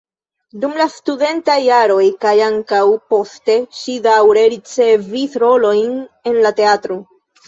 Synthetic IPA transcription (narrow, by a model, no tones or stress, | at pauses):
dumlastude̞ntajːaɾo̞jkajaŋkawpo̞ste̞ʃidawɾe̞ɾit͡se̞visɾo̞lo̞jne̞nlate̞atɾo̞